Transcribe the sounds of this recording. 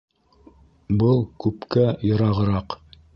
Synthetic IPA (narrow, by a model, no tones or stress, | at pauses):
bɤlˠkʉpkæjɤ̆ɾɑʁɤ̆ɾɑq